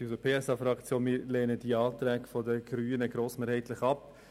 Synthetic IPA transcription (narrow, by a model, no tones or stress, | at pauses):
usəpʰeːɛsɑfɾɑkt͡sjoːnmiːɾlɛːnəd̥iɑːt̪ɾɛːɡfɔdəɡ̥ɾyːnəɡ̥ɾoːsmeːɾhɛɪtlɪχɑp